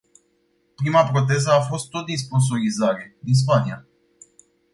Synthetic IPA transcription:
pɾimapɾo̞t̪̬e̞zəafo̞st̪ːo̞t̪̚d̪is̬pons̬o̞ɾizaɾe̞d̪ins̬pania

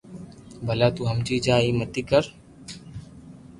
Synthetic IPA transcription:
bʱəlaːt̪uːɦəmd͡ʒiːd͡ʒaːiːmət̪iːkəɾ

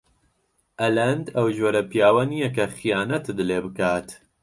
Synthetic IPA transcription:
ʔɐlɐnd̪ɐwʒoːɾɐpijaːwɐnijɛkɐxijaːnɐt̪d̪ɨleːbɨkaːt̪

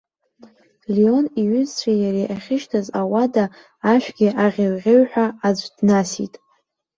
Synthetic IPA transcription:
lio̞niɥʏzt͡ɕʷʰajaɾejʔaχʲɪʃtʰazawadaː | ʃᶣʷɡʲɪʔaʁʲɪrʁʲɪɥħʷᶣaːd͡ʒʷdnasḭtʼ

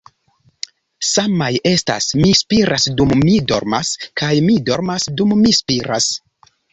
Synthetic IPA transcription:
samaje̞sta̰smispiɾasdumːido̞̰ɾmaskajmido̞ɾmasdumːispiɾas

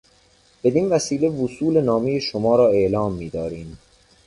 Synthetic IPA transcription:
b̥e̞d̪iːnvæsiːlevusuːlenɒːmejeʃomɒːɾɒːe̞ʔlɒːmːiːd̪ɒːɾiːm

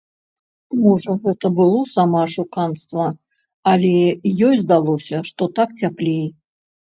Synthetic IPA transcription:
mɔʐɐɣɛt̪ɐbɨlˠɔsamaʂukanst̪vɐ | ɐlʲɛjɔjzd̪alˠɔsʲɐʂt̪ɔt̪ak̚t͡sʲaplʲej

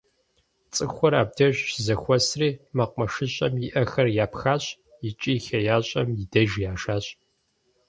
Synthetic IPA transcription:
t͡sʼɨxʷɔɾaːb̚dɐʒzɐxʷɔsriːmɐqʷʼmɐʂɨɕʼɐmjɪʔɐxɐrjaːpxaːɕʼ | ɪt͡ʃʼiːxɐjaːɕʼɐmjɪdɐʒjaːʃaːɕʼ

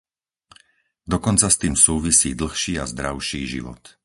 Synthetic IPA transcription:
d̪ɔkɔnt͡sast̪iːmsuːʋisiːd̪l̩xʃiːazd̪ɾaʊʃiːʒḭʋɔ̰t̪

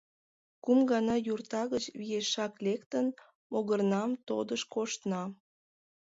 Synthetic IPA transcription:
kumɡɑnɑjurt̪ɑɣət͡ɕβijeʃɑklekt̪ən | moɣərnɑmt̪od̪əʃkoʃt̪nɑ

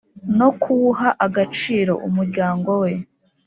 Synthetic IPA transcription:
no̞kʰuhaʔaɡat͡ʃiːɾo̞̰ʔumuɾɟaːŋɡo̞we̞

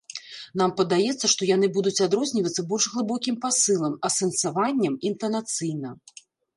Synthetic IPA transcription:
nampɐd̪ajɛt̪sːɐʂt̪ɔjanɨbud̪ut͡sʲad̪ɾɔzʲnʲivɐt̪sːɐbɔlʲʂɣlˠɨbɔkʲimpasɨlˠɐmɐsɛnt̪savanʲːɐmint̪ɐnat̪sɨjnɐ

